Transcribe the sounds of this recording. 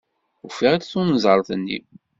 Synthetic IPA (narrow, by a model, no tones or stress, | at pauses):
ufiʁæt͡sθunəzˤəɾˤθənːḭ